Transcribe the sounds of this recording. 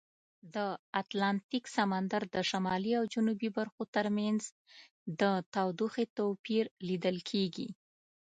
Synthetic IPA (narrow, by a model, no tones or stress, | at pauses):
d̪əat̪lɑnt̪iksamand̪aɾd̪əʃamɑliawd͡ʒunubibaɾxot̪əɾmanz | d̪ət̪awd̪uxet̪opiɾlid̪əlkʰeɡḭ